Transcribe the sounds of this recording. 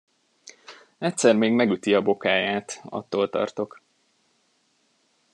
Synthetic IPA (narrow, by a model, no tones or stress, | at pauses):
ɛtʲsɛrmeːɡmɛɡyt̪iɒbo̞kaːjaːt̪ɒ̰t̪ːoːlt̪ɒ̰rt̪o̞k